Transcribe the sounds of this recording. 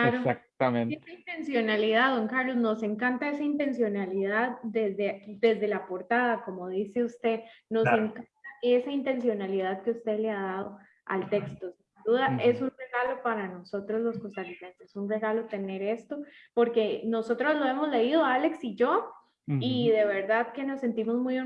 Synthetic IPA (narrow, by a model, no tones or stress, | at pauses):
laɾosak | meneaint̪ensjo̞naliðaðoŋkaɾlo̞zno̞se̞ŋkant̪ae̞saint̪e̞nsjo̞naliðaðd̪ezd̪ed̪e̞zd̪e̞lapo̞ɾt̪aðako̞moðise̞ust̪e̞no̞seŋkant̪ae̞saint̪e̞nsjo̞naliðaðke̞ust̪e̞leaðað̞o | a̰lt̪e̞kst̪o̞sind̪uðae̞sunreɣalo̞paɾanoso̞t̪ɾo̞zlo̞skost̪alise̞nsesunre̞ɣalo̞t̪e̞ne̞ɾe̞st̪o̞po̞ɾke̞no̞so̞t̪ɾozlo̞e̞mo̞zle̞iðo̞ale̞ksid͡ʒo | iðe̞βe̞ɾðaðke̞no̞sːe̞nt̪imozmujo